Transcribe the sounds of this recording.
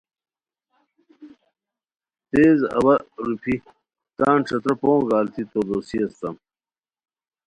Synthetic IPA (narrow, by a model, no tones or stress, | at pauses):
t̪eːzɐ̰bɐɾupʰi | t̪aːnʈ͡ʂɐt̪ɾɐpõːɡaːlt̪ʰit̪oɾd̪oːsiɐst̪ɐm